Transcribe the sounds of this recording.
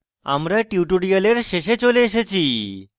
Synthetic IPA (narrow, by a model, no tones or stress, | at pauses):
a̰mɾaʈjuʈuɽijəleɾɕeɕet͡ɕoleːɕ̬et͡ɕi